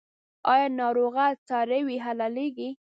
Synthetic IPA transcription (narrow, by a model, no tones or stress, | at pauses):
ɑjɑnɑɾoɣat͡sɑɾəwiɦalaleɡi